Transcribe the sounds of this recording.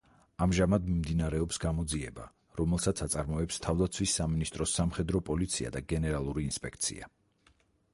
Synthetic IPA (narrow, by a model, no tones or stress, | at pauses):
amʒamad̪mimd̪inaɾɛɔpsɡamɔd̪ziɛba̰ | ɾɔmɛlˠsat̪sʰat̪sʼaɾmɔɛpst̪ʰavd̪at̪sʰwisːaminist̪ʼɾɔsamχɛd̪ɾɔpʼɔlit̪sʰia̰d̪aɡɛnɛɾalˠuɾiːnspʼɛk̚ʰt̪sʰḭa